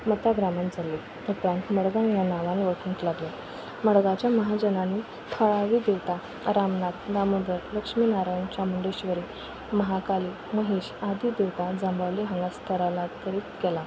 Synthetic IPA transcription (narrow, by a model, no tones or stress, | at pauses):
mət̪aɡɾamand͡zalːe | upɾãnt̪məɽɡãŋjanaʋãniʋəʈʰũnt̪laɡle | məɽɡat͡ɕjaməɦad͡ʑənani | t̪ʰəɭaʋiːd̪eʋt̪a | ɾamnad̪damund̪əɾləkʂmiːnaɾajnt͡ɕjamuɳɖeɕʋəɾiː | məɦakaliː | məɦeːɕad̪iːd̪eʋt̪ad͡zãmbəʋliɦə̃ŋɡast̪ʰəɾalat̪əɾiːt̪kela